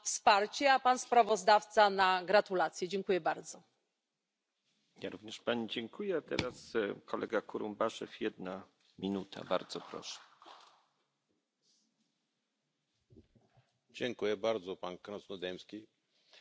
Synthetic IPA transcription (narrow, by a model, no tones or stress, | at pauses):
fspaɾt͡ɕɛapanspɾavɔzd̪aft̪sanaɡɾat̪ulat̪sʲjɛd͡ʑɛŋkujɛbaɾd̪zɔ | jaɾuvɲɛʂpaɲid͡ʑɛŋkujɛat̪ɛ̰ɾaskɔlʔɛ̰ɡakuɾumbaʂɛ̰fjɛd̪na | mʲinut̪ʰa̰ba̰ɾd̪zɔpɾɔ̰ʂɛ̥ | d͡ʑɛŋkujɛbaɾd̪zɔpankɾɔsnɔd̪ɛmskʲi